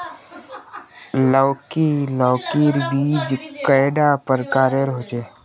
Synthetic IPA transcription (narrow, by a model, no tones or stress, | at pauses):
lɔːkilɔːkiɾbiːd͡ʒkəjɖapəɾkaːɾeɾɦoːt͡ʃeː